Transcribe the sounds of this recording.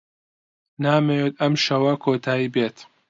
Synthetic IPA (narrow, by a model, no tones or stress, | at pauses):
naːmejet̪ɐmʃɐwɐkʰoːt̪ʰaːjibeːt̪